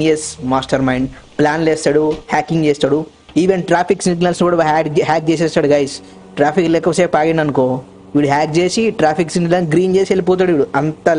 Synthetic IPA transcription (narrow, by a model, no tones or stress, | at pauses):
d͡ʒeːsmaːsʈɐɾmɐjɳɖplaːnleːst̪aːɽuhaːkːiŋɡd͡ʒeːst̪aːɽu | iːʋenʈɾaːpʰiksint̪nɐlsnkuːɽɐɦːkɦaːk̚t͡ʃeːs̬ɛːst̪aːɽuɡɐjs | ʈɾaːpʰiklekːɐʋɐsepaːɡenɐnukoː | iʋiɽuɦaːk̚t͡ʃeːsiʈɾaːpʰiksint̪nɐɡɾiːnd͡ʒeːsielip̬oːt̪̬aːɽuiʋiɽuɐnt̪ɐ